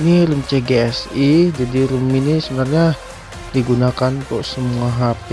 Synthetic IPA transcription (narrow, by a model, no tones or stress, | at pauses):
niɾumt͡ʃeɡeɛsid͡ʒadiɾuminisəbənarɲa | diɡunakant̪ɔʔsəmuaɦapi